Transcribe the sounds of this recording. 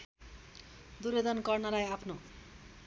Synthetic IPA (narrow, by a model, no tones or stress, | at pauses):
d̪uɾbed̪ʌnkʌrnʌlajapʰno